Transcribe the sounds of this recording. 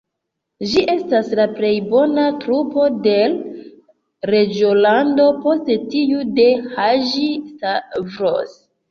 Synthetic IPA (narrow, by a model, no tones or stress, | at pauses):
ʒiʔe̞staslaple̞jbo̞natɾupo̞de̞l | ɾe̞d͡ʒiolando̞po̞stetijude̞haʒistavɾos